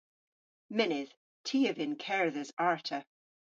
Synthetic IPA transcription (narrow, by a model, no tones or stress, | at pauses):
mɪnɪð̥ | tʰiːəvɪ̃nkʰɛɹðəzaɹtʰə